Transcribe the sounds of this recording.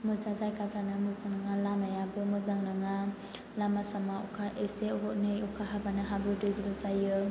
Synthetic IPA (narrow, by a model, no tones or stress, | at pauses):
mɯzazajkapɾanamɯzaŋnaŋalamajabɯmɯzaŋnaŋa | lamasamaɔ̰kʰaʔeseɔʔnejɔkʰaɦabanɯɦabɯdujbɾɔzajɯ